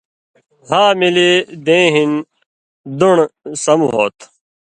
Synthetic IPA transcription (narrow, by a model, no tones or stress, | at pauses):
haːmilid̪ẽːɦin | d̪uɳsɐmuɦoːt̪